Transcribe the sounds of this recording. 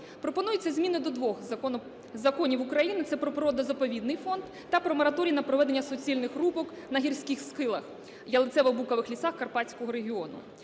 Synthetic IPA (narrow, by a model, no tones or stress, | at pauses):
pɾɔpɔnujet͡sʲːɐzʲmʲinɐd̪ɔd̪ʋɔx | zɐkɔnʲiʋukɾɐjinɪt̪sɛpɾɔpɾɔd̪ɐzɐpɔʋʲid̪nɪjfɔnd̪ːɐpɾɔmɔɾɐt̪ɔɾʲijinɐpɾɔʋɛd̪enʲːɐsɔt͡sʲilʲnɪxrubɔk | nɐɦʲirsʲkɪxskɪlˠɐx | jɐlˠɪt̪sɛʋɔbukɐʋɪxlʲisaxkɐrpɑt͡sʲkɔɦɔɾeɦʲɪɔnʊ̰